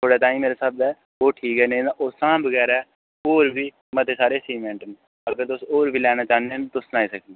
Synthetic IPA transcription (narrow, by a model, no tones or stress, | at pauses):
t̪ʰoːɽaːt̪aːĩːmeːɾaːsəb̚d̪ɛː | oːʈʰiːkɦɛːnẽaːʔoːsãːbəɡɛːɾaɛ | oːɾbʱiː | mə̃t̪eːsaːɾeːsiːmẽɳʈən | əɡəɾt̪ʊsoːɾbiːlɛːnaːt͡ʃaːnet̪ʊsnaːiːsəkʰd̪i